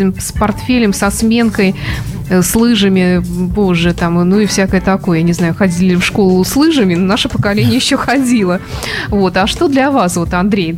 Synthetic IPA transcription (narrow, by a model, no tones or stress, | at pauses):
ɪmspɐrt̪fʲelʲɪmsɐsmʲe̞nkəj | slˠɨʐɨmʲɪpo̞ʐːɨt̪amnuɪfsʲakəjət̪ɐko̞jəjnʲɪznajʊxɐdʲilʲɪɪfʂko̞lˠʊslˠɨʐɨmʲɪnnaʂəpəkɐlʲenʲɪjəjɪɕːoxɐdʲilˠəvo̞t̪ɐʂt̪o̞d̪lʲɐvasvo̞t̪ɐnd̪ɾʲej